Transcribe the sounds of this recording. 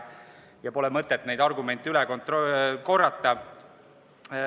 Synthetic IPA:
jɑpo̞lɛmɤt̪ːet̪ːne̞jd̪̥ɑrɡume̞nt̪ːˑylɛko̞nt̪roko̞rːɑt̪ːˑɑ

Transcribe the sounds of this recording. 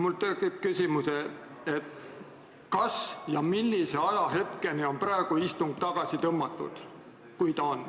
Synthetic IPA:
mult̪eɡipkysʲimuse | et̪ːˑ | kɑsjɑmilːise̞ɑjɑɦe̞t̪ke̞nio̞npɾɑeɡ̥uist̪uŋɡ̥̚t̪ɑɡ̥ɑsit̪ɤmːɑt̪ːˑṵd̪̥ | kujt̪ɑon

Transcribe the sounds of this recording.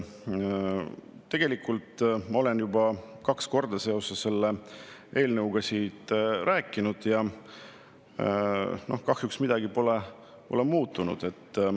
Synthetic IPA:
t̪ːe̞ɡ̥e̞likult̪ːmɑo̞le̞njubɑkɑksko̞rd̪̥ɑse̞o̞sesːe̞lːeʔe̞ːlnɤwɡ̥ɑsiːt̪ɾæːkːˑinud̪̥jɑ | no̞hkɑhjuksmid̪̥ɑɡipo̞le | po̞lemuːt̪ːˑunṵd̪̥e̞t̪ː

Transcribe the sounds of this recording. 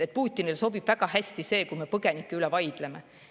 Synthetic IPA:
et̪̚puːt̪ʲːˑinilso̞bib̥væɡ̥ɑhæsʲt̪ise̞ːkujme̞pɤɡ̥e̞nikːeylɛvɑjd̪̥le̞me

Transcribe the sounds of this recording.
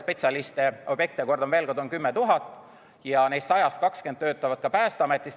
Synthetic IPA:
spe̞t̪sʲɑlist̪eo̞b̥je̞k̚t̪ieko̞rd̪omve̞ːlko̞rd̪o̞nkymːet̪uɦɑt̪ːˑ | jɑne̞jst̪sɑjɑst̪̚kɑkskend̪t̪ːø̞ːt̪ːˑɑvɑd̪̥̚kɑpæːst̪eɑme̞t̪ːˑis

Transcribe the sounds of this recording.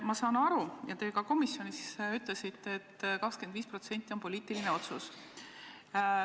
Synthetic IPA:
mɑsɑːnɑɾujɑt̪e̞ːkɑko̞misjo̞nissyt̪ˑle̞sit̪ːˑeːt̪ːkɑkskend̪viːspro̞t̪se̞nt̪ːˑio̞npo̞liːt̪ːˑilineo̞t̪sus

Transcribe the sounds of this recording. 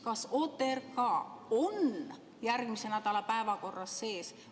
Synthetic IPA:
kɑsot̪ːˑerkɑon | jærɡ̥misenæd̪ɑlɑpæevɑko̞rːɑsːe̞ːs

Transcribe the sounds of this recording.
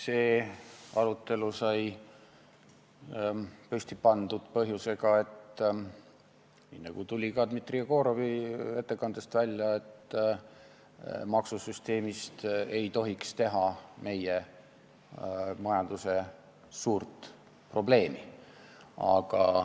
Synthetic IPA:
seːɑɾut̪ːˑe̞lusɑj | pøsʲt̪ipɑnd̪̥ud̪̥pɤɦjuse̞ɡ̥ɑe̞t̪ː | niːnɑɡut̪ulʲikɑd̪mit̪ːrijɑko̞ːɾo̞vie̞t̪ːe̞kɑnd̪̥est̪vælʲjɑe̞t̪ː | mɑksusyst̪e̞ːmist̪e̞jt̪o̞ɦikst̪e̞ɦɑme̞je | mɑjɑnd̪use̞ | suːrt̪ | pro̞ble̞ːmi | ɑ̰ɡ̥ɑ

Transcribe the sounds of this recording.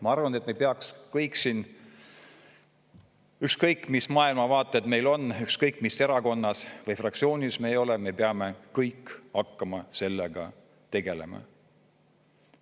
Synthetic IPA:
mɑɑrvɑnet̪mejpeɑkskɤjksin | ykskɤjkːˑmismɑːilmɑvɑːt̪ːˑed̪me̞jlo̞nːykskɤjkˑːmise̞ɾɑko̞nːɑsvɤjfrɑk̚tsio̞ːnʲisme̞ːjo̞leme̞peɑmekɤjkːɑkːɑmɑse̞lːeɡ̥ɑ̰ | t̪e̞ɡ̥e̞le̞̰mɑ̰

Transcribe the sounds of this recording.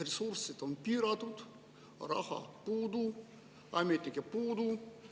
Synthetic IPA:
resursːit̪onpiɾɑt̪ut̪ | rɑ̰hɑ̰puːd̪u | ɑjmet̪ːekepuːd̪u

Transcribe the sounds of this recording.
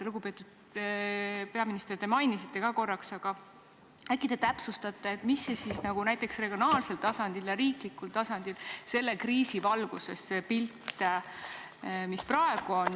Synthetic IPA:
eluɡ̥upe̞ːt̪ud̪̥ | pe̞ɑminist̪ert̪e̞mɑjnisit̪ˑːe̞kɑːko̞rːɑksɑɡ̥ɑ | ækːit̪e̞t̪æpsust̪ɑt̪ːˑeːt̪misːesisnɑɡ̥unæjt̪ːˑe̞ksreɡ̥jonɑːlse̞lt̪ɑsɑnd̪̥iljɑɾiːklikːult̪ɑsɑnd̪̥ilse̞lːe̞kriːsivɑlɡ̥use̞sːepilt̪ː | misprɑe̞ɡ̥uon

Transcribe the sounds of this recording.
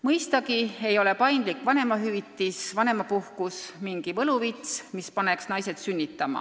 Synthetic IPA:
mɤjst̪ɑɡie̞jo̞le̞pɑjnd̪likːˑvɑne̞mɑɦyvit̪ːisvɑne̞mɑpuhkusmiŋɡ̥ivɤluvit̪smispɑne̞ksnɑjse̞t̪synʲːit̪ːˑɑmɑ̰

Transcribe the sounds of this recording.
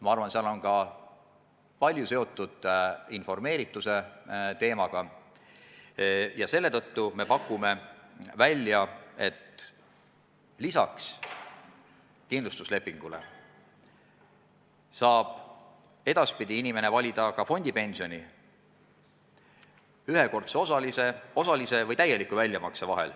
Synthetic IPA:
mɑɑrvɑnseɑlo̞nkɑ | pɑlʲjuse̞o̞t̪ːˑud̪̥info̞rme̞ːɾit̪ːˑuse̞t̪e̞ːmɑɡ̥ɑ | jɑse̞lːe̞t̪ɤ̞t̪ːume̞pɑkːˑume̞vælʲːjɑe̞t̪ | lisɑ̰ks | kinlust̪usle̞pːˑiŋɡ̥ulḛ | sɑːb̥ | e̞d̪ɑspid̪iinime̞ne̞vɑlʲid̪̥ɑkɑfo̞nʲd̪̥ipe̞nʲsio̞nʲi | yɦe̞ko̞rt̪seosɑliseo̞sɑlise̞vɤjt̪æje̞likːˑuvælʲjɑmɑksevɑɦe̞̰l

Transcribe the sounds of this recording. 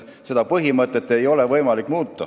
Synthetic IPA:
se̞d̪̥ɑpɤɦimɤt̪ːˑe̞t̪ːˑe̞jo̞le̞vɤjmɑlikːˑmuːt̪ːˑɑ

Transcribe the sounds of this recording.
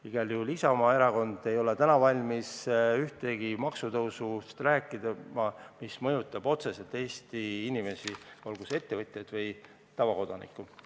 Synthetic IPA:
iɡ̥ɑljuulisɑomɑe̞ɾɑko̞nd̪̥e̞jo̞let̪ænɑvɑlʲmisyht̪e̞ɡimɑksut̪ɤwsust̪ræːkːˑid̪mɑmismɤ̞jut̪ːˑɑb̥o̞t̪se̞se̞lt̪ːˑe̞ːst̪iinime̞siolɡ̥use̞t̪ːe̞vɤt̪ʲˑjɑd̪̥vɤj | t̪ɑvɑko̞d̪̥ɑnḭkːˑu

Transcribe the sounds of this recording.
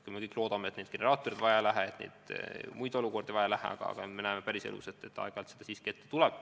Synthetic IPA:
kumekɤjkˑlo̞ːd̪̥ɑmeet̪ned̪̥ɡ̥eneɾɑːt̪ːˑoɾid̪̥vɑjɑlæɦæet̪nḛːd̪̥mujd̪̥o̞luko̞rd̪evɑjɑlæɦæ̰ɑ̰ɡ̥ɑ̰ɑ̰ɡ̥ɑme̞næːmepæɾisḛlṵset̪ːˑe̞t̪ːɑ̰eɡ̥ɑlt̪sed̪̥ɑsiːskket̪ːet̪ulɛb̥̚

